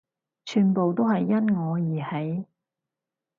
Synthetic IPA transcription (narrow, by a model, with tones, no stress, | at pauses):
t͡ʃʰyː˨npo˨wt̪o˥whɐ˨jːɐ˥nŋɔː˨˧jiː˨˩he˨˥j